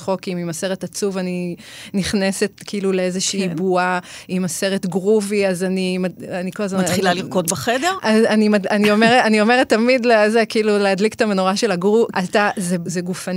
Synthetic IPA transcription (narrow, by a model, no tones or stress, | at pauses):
χo̞kimimase̞ʁetat͡suvaniniχne̞se̞tkiiluleezeʃiːbuaimase̞ʁet̪ɡʁuviazanimaanikolazmatχilaliʁkot̪̚beχedeʁazanimaanio̞meʁeanio̞me̞ʁet̪ːamidlezekiiluleadlike̥t̪amenoʁaʃe̞laɡʁuʔatazezeɡufa